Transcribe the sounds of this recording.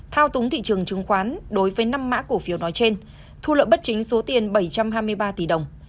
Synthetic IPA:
t̪ʰaː˧wt̪ʊ˨˦ŋ͡mt̪ʰḭ˧˨t͡ɕɨ˨˩əŋt͡ɕɨ˨˦ŋxwaː˨˦nɗo˨˦jvəː˨˦jna˧mːa̰ː˧˥ku˧˩əfi˨˦wnɔ˨˦jt͡ɕe˧n | t̪ʰu˧lə̰˧˨ɓə˦˥t̚t͡ɕï˨˦ŋ̟so˨˦t̪i˨˩ənɓə˧˩jt͡ɕa˧mɦaː˧jmɨ˧əjɓaː˧t̪i˧˩ɗə˨˩wŋ͡m

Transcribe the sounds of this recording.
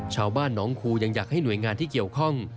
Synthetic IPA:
t͡ɕʰaː˧wbaː˥˩nːɔː˦˥ŋkʰuː˧ja˧ŋjaː˨˩k̚ha˥˩jnu˨˩əjŋaː˧nt̪ʰiː˥˩ki˨˩əwkʰɔ˥˩ŋ

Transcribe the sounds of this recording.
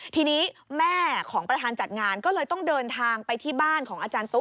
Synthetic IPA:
t̪ʰiː˧niː˦˥mɛː˥˩kʰɔː˩˦ŋpɾa˧aː˧nt͡ɕa˨˩t̪̚ŋaː˧nkɔː˥˩lɤː˧jt̪ɔ˥˩ŋdɤː˧nt̪ʰaː˧ŋpa˧jt̪ʰiː˥˩baː˥˩nkʰɔː˩˦ŋʔaː˧t͡ɕaː˧nt̪u˦˥

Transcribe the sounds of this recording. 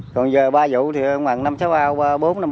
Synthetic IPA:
kɔ˨˩nzəː˨˩ɓaː˧zṵ˧˥t̪ʰi˨˩˨ŋ͡mwa̰ː˨˩ŋna˧msaː˨˦wɓaː˧waː˧ɓo˨˦na˧m

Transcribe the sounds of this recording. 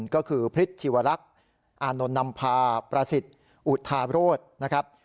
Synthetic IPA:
nkɔː˥˩kʰɯː˧pʰɾi˦˥t̪̚t͡ɕʰiː˧˩wa˧ɾa˦˥k̚ | ʔaː˧no˧nːa˧mpʰaː˧pɾaː˧si˨˩t̪̚ | ʔu˨˩t̪ʰːaː˧ɾoː˥˩t̪̚na˦˥kʰɾa˦˥p̚

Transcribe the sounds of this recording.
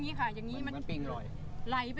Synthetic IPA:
ŋːiː˦˥˩kʰa˧˥˩ja˨˩ŋːiː˦˥ma˧npe˨˩ŋ˧˩ | la˨˩jpa˧

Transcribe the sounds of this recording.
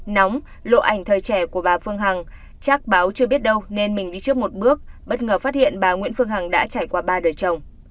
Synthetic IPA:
nɔ˨˦wŋ͡m | lo̰˧˨ʔa˧˩jŋ̟t̪ʰəː˨˩jt͡ɕɛ˧˩ku˧˩əɓaː˨˩fɨ˧əŋɦa˨˩ŋ | t͡ɕaː˦˥k̚ɓaː˨˦wt͡ɕɨ˧ɓi˦˥ət̚ɗə˧wne˧nmï˨˩ŋ̟ɗi˧t͡ɕɨ˦˥ək̚mo˨˩t̚ɓɨ˦˥ək̚ɓə˦˥t̚ŋəː˨˧˩faː˦˥t̚hḭ˧˨ənɓaː˨˩ŋwḭ˧˥ənfɨ˧əŋɦa˨˩ŋɗa̰ː˧˥t͡ɕaː˧˩jkwaː˧ɓaː˧ɗəː˨˩jt͡ɕə˨˩wŋ͡m

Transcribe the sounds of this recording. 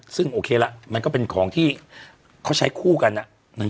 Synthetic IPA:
sɯ˥˩ŋʔoː˧kʰeː˧la˦˥ʔma˧nkɔː˥˩pe˧nkʰɔː˩˦ŋt̪ʰiː˥˩ | kʰa˦˥˩t͡ɕʰa˦˥jkʰuː˥˩ka˧nʔa˨˩ʔ | na˧˥˩

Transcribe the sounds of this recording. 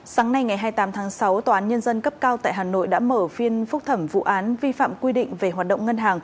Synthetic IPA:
saː˨˦ŋna˧jŋa˨˩jɦaː˧jt̪aː˨˦mt̪ʰaː˨˦ŋsa˨˦wt̪aː˨˩ʔaː˨˦nɲə˧nzə˧nkə˦˥p̚kaː˧wt̪a̰ː˧˨jɦaː˨˩no̰˧˨jɗa̰ː˧˥məː˧˩fi˧ənfʊ˦˥k͡p̚t̪ʰə˧˩mvṵ˧˨ʔaː˨˦nvi˧fa̰ː˧˨mkwi˧ɗḭ̈˧˨ŋ̟ve˨˩ɦwaː˨˩t̚ɗə̰˧˨wŋ͡mŋə˧nɦaː˨˩ŋ

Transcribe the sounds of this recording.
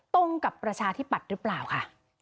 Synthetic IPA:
t̪o˧ŋka˨˩pːɾa˧t͡ɕʰaː˧t̪ʰi˦˥˩pːa˨˩t̪̚ɾɯː˦˥plaː˨˩wkʰa˥˩

